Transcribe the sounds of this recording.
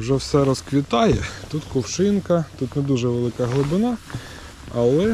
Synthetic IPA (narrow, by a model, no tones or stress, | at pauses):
wʒɛwsɛɾɔskʋʲit̪ɑjɛt̪ut̪kʊwʃɪnkɐt̪ut̪nɛd̪uʒɛʋelˠɪkɐɦlˠʊbɪnɑ | ɐlˠɛ